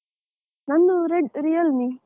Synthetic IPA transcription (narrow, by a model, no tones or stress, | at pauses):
nɐnːuɾeɖɾijɐlni